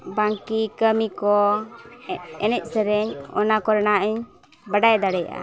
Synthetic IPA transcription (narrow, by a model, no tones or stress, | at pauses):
baŋkikəmikɔ | ɛnɛc̚ˀsɛɾɛɲɔ̰nakɔɾɛnaʔiɲ | baɖajd̪aɽɛja̰ʔa̰